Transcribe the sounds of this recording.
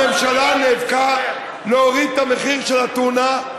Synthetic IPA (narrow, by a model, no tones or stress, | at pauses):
emʃalanevka | loːʁid̪̚t̪ameχiʁʃelat̪una